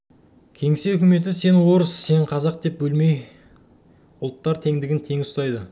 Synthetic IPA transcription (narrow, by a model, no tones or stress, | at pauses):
kʲʰe̞ŋɪseʏkʲɪme̞t̪̬ɪse̞nwo̞ɾəsːe̞ɴqʰɑzɑq̚d̪e̞p̚bɵlme̞j | ʊlˠt̪ːɑɾt̪ʰe̞ŋd̪ɪɡʲɪnt̪ʰe̞ŋɪsst̪ɑjd̪ə